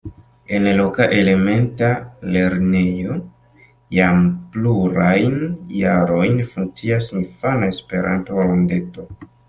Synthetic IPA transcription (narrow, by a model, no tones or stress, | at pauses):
e̞nlokaʔe̞le̞me̞ntale̞ɾnejo̞ | jampluɾajnjaɾo̞jnfuŋk̚t͡siasinfanae̞spe̞ɾa̰ntolonde̞to̞